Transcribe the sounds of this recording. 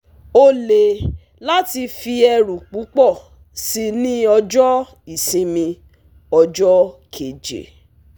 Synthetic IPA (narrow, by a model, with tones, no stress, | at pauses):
o˧le˨ | la˦ti˧fi˧ɛ˧ɾu˨k͡pu˨˦k͡pɔ˦˨ | si˧nĩ˦ɔ˧d͡ʒɔ˦ | i˨sĩ˨˧mĩ˧ | ɔ˧d͡ʒɔ˦kʰe˨d͡ʒḛ˨